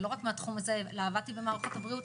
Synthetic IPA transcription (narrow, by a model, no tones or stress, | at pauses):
lo̞ʁakmeat̪χumazelaːvat̪ibe̞maːʁχo̞t̪habʁiut